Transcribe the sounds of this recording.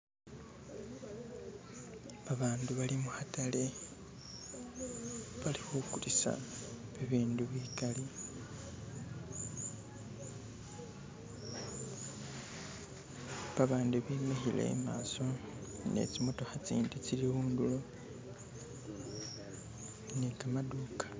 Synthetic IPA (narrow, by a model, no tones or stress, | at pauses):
βaβaːnduβalimuhatʰale̞ | βalixukuɾisa̰βiβiːnduβwiːkali | βaβaːnduβimixile̞̰ma̰ːso̞ | ne̞̰t͡simo̞to̞xat͡sḭːndit͡siliɣuːndulo | nekamaduːkḁ